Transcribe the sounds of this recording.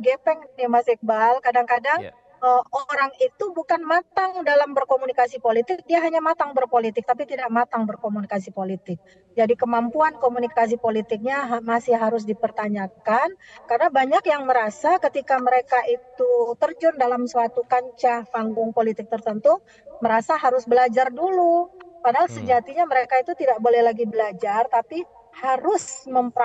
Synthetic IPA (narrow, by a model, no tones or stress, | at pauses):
ɡepɛŋnimasik̚balkadaŋkadaŋ | əoɾaŋit̪ubukanmat̪aŋdalambərkomunikasipolit̪ɪk̚diaɦaɲamat̪aŋbərpolit̪ɪk̚t̪apit̪idaʔmat̪aŋbərkomunikas̬ipolit̪ɪk̚ | d͡ʒadikəmampuankomunikas̬ipolit̪ɪk̚ɲaɦmasɪɦaɾʊs̬dipərt̪aɲakankarnabaɲakjaŋməɾasakət̪ikaməɾekaʔit̪ut̪ərd͡ʒʊndalamsəat̪ukaɲt͡ʃapaŋɡʊŋpolit̪ɪk̚t̪ərt̪ənt̪u | məɾasaɦaɾʊsbəlad͡ʒardulupadaɦalsəd͡ʒat̪iɲaməɾekait̪ut̪idakbolɛhlaɡibəlad͡ʒart̪api | haɾʊsməmp